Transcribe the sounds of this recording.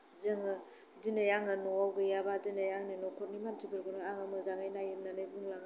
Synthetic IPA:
zɯŋɯ | dinajaŋɯnɔawɡɯjabadinajaŋninɔkʰɔt̚nimantʰibɯɾɡunɯaŋamɯzaŋajnajɯtnanɯbuŋlaŋ

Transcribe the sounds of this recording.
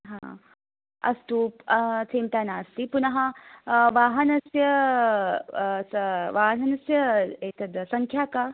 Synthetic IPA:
ɦã̰ | ɐ̰st̪uːpt͡sʰemʈ̪anaːst̪ipunɦãʋaːɦɐnɐsjɐ | sʋaːɦnɐnɐsjɐet̪ʰəd̪sɐŋkʰjaka

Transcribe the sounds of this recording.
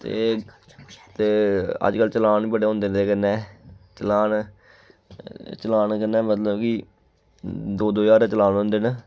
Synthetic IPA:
t̪ḛː | t̪eːə̰d͡ʒkəlt͡ʃəlaːɳbəɽeːõːnd̪eːneːkənːɛːt͡ʃəlaːn | t͡ʃəlaːnkənːɛːmət̪ləbki | d̪oːd̪oːjaːɾɛːt͡ʃəlaːnɦõːnd̪eːnə

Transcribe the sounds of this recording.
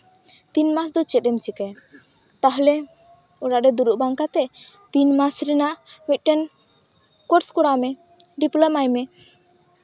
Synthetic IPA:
t̪inmasd̪ɔt͡ʃɛt̪̚ˀɛmt͡ʃikaj | t̪aɦlɛ | ɔɽaʔɖɛd̪uɾuʔbaŋkat̪ɛ | t̪inmasɾɛnaʔmit̪̚ˀʈɛn | kɔɾskɔɽamɛ | ɖiplɔmajmɛ

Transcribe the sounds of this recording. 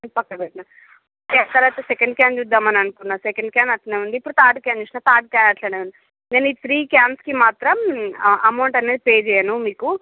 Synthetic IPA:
enpɐkːɐbɛʈːna | oket̪ɐɾʋaːt̪ɐsɛkɐɳɖ̚kjaːmd͡ʒud̪ːaːmɐnɐnukunːaːsɛkɐɳɖ̚kaːnɐʈlɐneːʋund̪iːpːuɽut̪aːɾɖ̪kaːmd͡ʒuʈnaːt̪ʰaːɾɖ̪̚kaːnaʈʰlɐneːʋund̪i | ŋɡɐniːt̪ʰɾiːkaːmskimaːt̪ɾɐmɐmɐwɳʈɐneːd̪ipeːd͡ʒɛjɐnumiːku

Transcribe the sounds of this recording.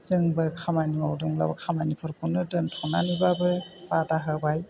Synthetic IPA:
zɯŋbɯkʰamajniwawduŋla̰bɯkʰamajnipʰɯɾkʰunɯdɯntʰɔnanibabɯb̥adaɦəbaj

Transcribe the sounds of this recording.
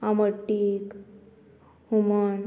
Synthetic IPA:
aməʈːik | humən

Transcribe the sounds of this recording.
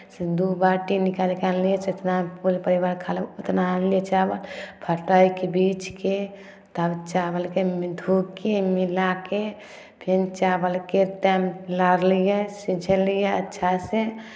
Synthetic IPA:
sed̪ubaʈinikalkalːijeset̪napulpəɾibaːɾkʰalut̪nallijet͡ʃabəlpʰəʈəikebit͡ʃke | t̪abt͡ʃabəlkemd̪ʱukemilake | pʰent͡ʃabəlket̪ɛmlaɾlijesid͡ʒʱəlijeətːʃʰase

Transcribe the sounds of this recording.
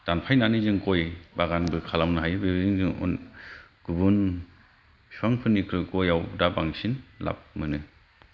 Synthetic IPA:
d̥anpʰajnanizɯŋkojbaɡanbɯkʰalamnɯɦajbeɾiziŋzɯŋɔ̰nɡ̥ubun | suaŋpʰɯnːikʰɾɯɡɔjawdabaŋsinla̰p̚mɯnɯ

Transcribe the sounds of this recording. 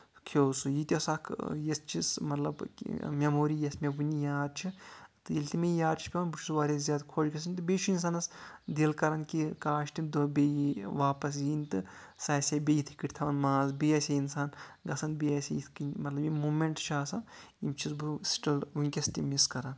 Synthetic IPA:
kʰoːsujit̪ʲosakʰjest͡ʃʰismɐt̪lɐb̰mʲemoːɾijɐsmebunʲijaːd̪̚t͡ʃʰit̪ɨjilʲt̪imejaːd̪t͡ʃʰi̥pʲeʋɐnbut͡ʃʰu̥sʋaːɾʲizʲjaːd̪kʰoːd͡ʒɡɐs̬ɐnt̪ɨbet͡ʃʰuins̬aːnɐsd̪eːlkɐɾɐnkikaːʃt̪imd̪obejʋaːpɐs̬jint̪ɨsaːsʲabʲejit̪ʰɨ̥kiʈʲt̪ʰɐʋɐnmaːzbiɐsʲeinsaːnɡɐsɐnbijɐsʲḛjit̪ʰkinmɐt̪lɐbjimuːmʲeɳʈt͡ʃʰaːsɐ | imt͡ʃʰizbɨsʈɐlʋunʲkʲɐst̪ʲimiskɐɾan

